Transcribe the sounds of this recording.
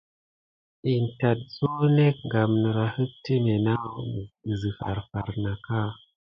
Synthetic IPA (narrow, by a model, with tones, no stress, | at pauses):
i˨nta˨t̚zo˦ne˦k̚ŋɡa˨mnə˨ɾa˨hɨ˦k̚ti˦me˨na˦˨m˨i˨zi˨fa̰˨ɾfa̰˨ɾna˨ka˦